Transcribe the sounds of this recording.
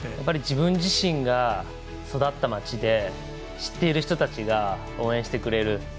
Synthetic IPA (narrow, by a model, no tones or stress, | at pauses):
japːaɾʲid͡ʑibɯ̟̃ɲd͡ʑiɕĩŋɡa | so̞d̪at̪ːamat͡ɕid̪e̞ | ɕi̥t̪ːe̞iɾɯ̟çi̥t̪o̞t̪at͡ɕiɡa | o̞ːẽɕi̥t̪e̞kɯ̟ɾe̞ɾɯ̟